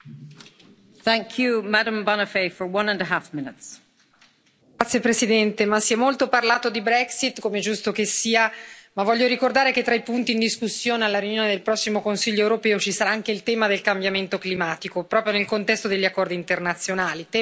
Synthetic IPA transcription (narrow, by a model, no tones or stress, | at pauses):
θæ̃ŋkʰjumaɾə̃mbɑnəfefə˞wʌ̃nə̃nəɦafmɪ̃nɪts | t̪sːjepɾesid̪ɛnt̪emasːiɛmːolt̪oparlaːt̪od̪ibɾɛksit̪komed͡ʒust̪okesːiːamavːɔʎːoɾikord̪aːɾeket̪ːɾaipunt̪iːnd̪iskusːjoːnealːaɾjunjoːned̪elpɾɔsːimokonsiʎːoewɾopɛːot͡ʃisaɾaaŋkeilt̪ɛːmad̪elkambjament̪oklimaːt̪ikopɾɔːpɾjonelkont̪ɛst̪od̪eʎːakːɔrd̪iːnt̪ernat̪sːjonaːlit̪ɛ